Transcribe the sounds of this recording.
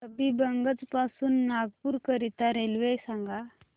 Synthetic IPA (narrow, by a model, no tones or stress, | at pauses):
səbibəŋɡət͡spasuːnːaɡpuːɾkəɾit̪aɾelʋesãŋɡa